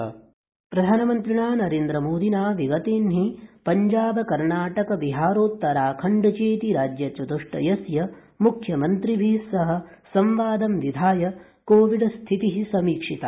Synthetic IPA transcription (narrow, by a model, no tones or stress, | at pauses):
pɾɐd̪ʱaːnɐmɐnt̪ɾiɳaːnɐɾeːnd̪ɾɐmoːd̪ʱinaːʋiɡɐt̪eːnɦipɐɲd͡ʒaːbɐkɐɾɳaːʈɐkɐʋiɦaːɾoːt̪ːɐɾaːkʰɐɳɖɐt͡ʃeːt̪iɾaːd͡ʒjɐt͡ʃɐd̪uʂʈɐ̰jɐsjɐ | mukʰjɐmɐnt̪ɾibʱisɐɦɐ̆sɐmʋaːd̪ɐmʋid̪ʱaːjɐ | koːʋiɖɐst̪ʰit̪iɦisɐmiːkʂit̪ɐ̰